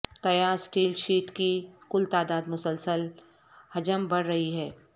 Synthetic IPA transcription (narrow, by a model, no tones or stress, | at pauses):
t̪ɐjaːɾsʈiːlʃiːʈkikʊlt̪aːd̪aːd̪mʊsəlsəl | hɐd͡ʒəmbɐɽɾɐɦiɦɛː